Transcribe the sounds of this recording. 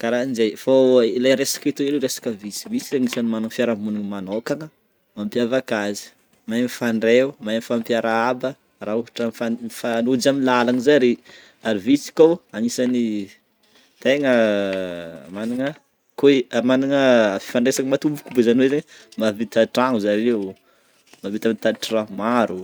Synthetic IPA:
kaɾainzejfailajɾesḁket̪uileɾesḁkəvit͡sivit͡siaŋisanimanuŋfiaɾamunuŋmanokaŋə | mampjavakazi̥ | majmifaɳɖ͡ʐewmajmifampjaɾaabə | rauɦaʈ͡ʂafafanud͡ʒamilalanzajaɾi | aɾivisi̥kowaŋisani | t̪eŋə | maniŋə | komaniŋəfi̥faɳɖ͡ʐesaŋəmat̪umbu̥kubezaniwezeɲəmavit̪aʈ͡ʂaŋuzalew | mavit̪amint̪ad̪ʈ͡ʂramaɾu

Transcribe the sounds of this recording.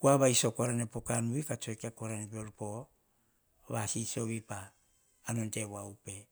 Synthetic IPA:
kuaβaisokoɾanepokanuikat͡ʃoekiakoɾanepeoɾpo | βasiso̞βipaː | nonte̞wawpe̞

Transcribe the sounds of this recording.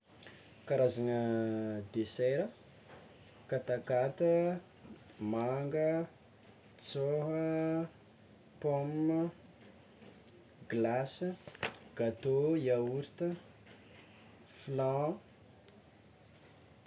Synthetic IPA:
kaɾazanəd̪eseɾə | kat̪akat̪ə | maŋɡə | t͡soɦə | pom | ɡlas | ɡ̥at̪oiauɾt̪ə | flã

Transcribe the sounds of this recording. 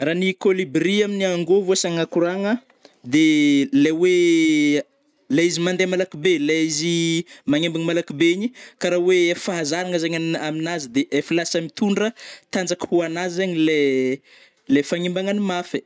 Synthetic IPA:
raːnikolibriaminiaŋɡovosaŋakuɾaŋə | d̪elewe | laizimand̪emalakibelaizimaŋembaŋmalakibeɲikaɾawefaɦazaɾaŋəzeɲaaminazid̪eʔefilasamit̪uɳɖ͡ʐət̪and͡zakə̥huanazzeɲile | lefaŋimbaŋanimafe̥

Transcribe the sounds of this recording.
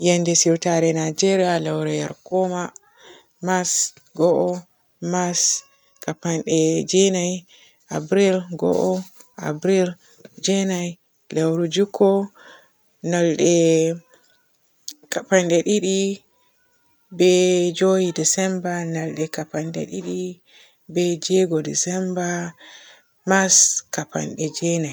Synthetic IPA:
jandɛsiɾtaɾɛnad͡ʒɛɾialawɾɛjaɾkɔma | mas | ɡɔʔɔ | mas | kapanɗɛd͡ʒɛnaj | ʔabɾilɡɔ̰ʔɔʔa̰bɾil | d͡ʒɛnaj | lawɾud͡ʒukʰɔ | nalɗɛ | kapanɗɛɗiɗi | bɛd͡ʒojidisɛmbanalɗɛkapanɗɛ̰ɗiɗi | bɛd͡ʒɛɡɔdisɛmba | maskapa̰nɗɛd͡ʒɛnaj

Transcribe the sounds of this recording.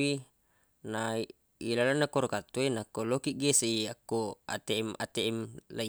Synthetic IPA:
i | na | ilalanːakoɾokat̪ːoenakːolokiɡeseiakːoa̰t̪ema̰t̪eɛmlai

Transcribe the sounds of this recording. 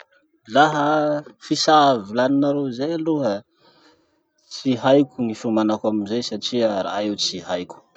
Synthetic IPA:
laɦəfisavilaninaɾozajaluɦə | t͡siɦajkʲuŋifumanakamizejsaʈ͡ʂiaɾa̰aiwt͡siɦajkʲu̥

